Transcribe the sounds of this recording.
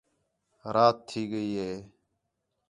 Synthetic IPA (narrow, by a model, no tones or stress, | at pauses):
ɾaːt̪ʰːiːɡəiːɦeː